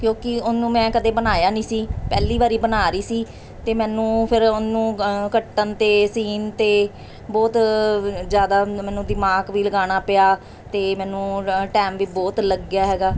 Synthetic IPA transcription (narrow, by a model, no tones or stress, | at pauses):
kjõːkɪʊnũːmɛ̃ːkəd̪eːbənaːjaːnĩːsiːpɛːliːʋaːɾiːbənaːɾiːsiː | t̪eːmɛ̃ːnũːpʰɪɾʊnũːkəʈːənt̪eːsiːnt̪eː | bɔːt̪ | d͡ʒjaːd̪aːmɛ̃ːnũːd̪ɪmaːɡʋiːləɡaːɽ̃aːpɪjaː | t̪eːmɛ̃ːnũːʈɛːmʋiːbɔːt̪ləɡjaːɦɛːɡaː